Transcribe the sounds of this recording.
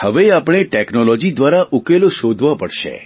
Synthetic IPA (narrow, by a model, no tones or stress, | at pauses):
həʋeapɽ̃eʈɛknɔlɔd͡ʒid̪ʋaɾaʔukeloʃod̪ʱʋapəɽʃḛ